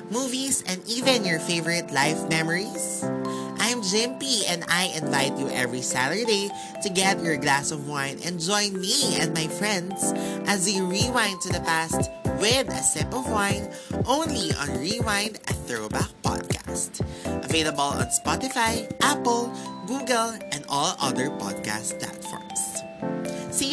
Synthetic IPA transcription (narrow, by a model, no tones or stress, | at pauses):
muːvisɛ̃nd̪ivɛ̃njɔɹfeɪvəɹɪt̪laɪfmɛmɔɹisʔaj̃md͡ʒɪ̃mpiɛ̃nd̪ajʔɪ̃nvaɪt̪̚juʔɛvɹisæt̪ə˞id̪eɪ | t̪ʊɡɛt̪jɔɹɡlæsɔvwãɪ̃nɛ̰̃nd͡ʒɔ̃ɪ̃nmiɛ̃nd̪majfɹɛ̃nd̪sʔɐzdeɹiwãɪndt̪ʊðɐpæst̪wɪðɐ̰sɪ̃mpɔvwãɪ̃n | ʔõʊ̃nliʔɔ̃nɹiwãɪ̃nd̪ɐθɹoʊbak̚pɑ̰d̪̚kʰa̰st̪ʔɐveɪlɐbəlɔ̰̃nspɔt̪ɪfajʔæpəlˠɡuɡɛlˠʔɛ̃nd̪ɔlʌðəɹpɔ̰d̪̚ka̰st̪̚pla̰t̪fɔ̰ɹms | si